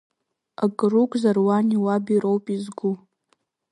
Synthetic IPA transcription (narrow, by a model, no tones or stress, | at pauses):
aɡʼrukʷʼzarwaniwabiɾowpʼizɡʷu